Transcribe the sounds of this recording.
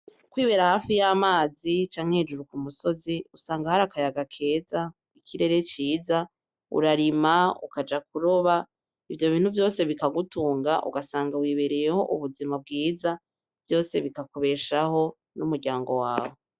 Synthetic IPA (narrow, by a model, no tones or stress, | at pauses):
kwiːβe̞ɾahaːfijamaːzit͡ʃaːŋ̥he̞d͡ʒuɾukumuso̞ziusaːŋɡahaɾakajaɡakʰe̞ːza | icʰiɾe̞ɾe̞t͡ʃiːza | ṵɾaɾimaṵkad͡ʒakuɾo̞βa | ivjo̞βiːn̥huvjo̞ːse̞βikaɡutuːŋɡaʔṵɡasaːŋɡawiːβeɾeje̞ho̞̰ʔuβuzimab̚ɡiːza | v̥jo̞ːse̞βikakuβe̞ːʃaho̞ | numuɾɟaːŋɡo̞wa̰ːwo